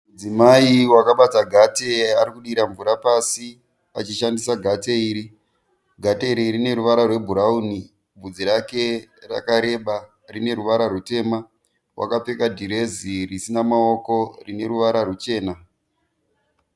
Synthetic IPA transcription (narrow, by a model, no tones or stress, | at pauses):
mud͡zimaiwakaɓataɡʱateaɾikuɗiɾaɱvuɾapasi | a̰t͡ʃiʃandisaɡʱateiːɾi | ɡʱateiɾirine̞ɾuʋaɾarwe̞bʱuɾauni | bud͡ziɾake̞ra̰kaɾe̞ɓa | rine̞ɾuʋaɾarute̞ːma | wʔa̰kap͡fe̞kadʱiɾe̞zirisinamao̞ko̞rine̞ɾuʋaɾarut͡ʃe̞ːna